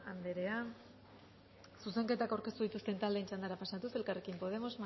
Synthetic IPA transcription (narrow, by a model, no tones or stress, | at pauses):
and̪e̞ɾe̞an | suse̞ŋke̞t̪akawɾke̞st̪uð̞it̪ust̪e̞nt̪ald̪e̞ːnt͡ʃand̪aɾapasat̪use̞lkarekimpo̞ð̞e̞mo̞zm